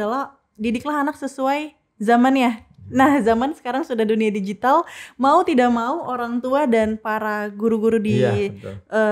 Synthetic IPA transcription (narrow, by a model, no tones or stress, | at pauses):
ala | didiklaɦanak̚səsuaj | zamanjanahzamansə̥kaɾaŋsudahduniadid͡ʒit̪almaut̪idaʔmauʔoɾaŋt̪uadanpaɾaɡuɾuɡuɾudi | ʔə